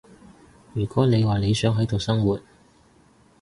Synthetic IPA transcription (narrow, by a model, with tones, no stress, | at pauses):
jyː˨˩kʷɔː˨˥ne˨˧jwaː˨ne˨˧jsœː˨˥ŋɦɐ˨˥jt̪o˨wsɐ˥ŋwuː˨t̚